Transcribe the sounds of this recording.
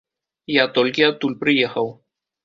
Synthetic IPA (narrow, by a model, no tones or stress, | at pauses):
jat̪ɔlʲkʲiat̪ːulʲpɾɨjɛxɐw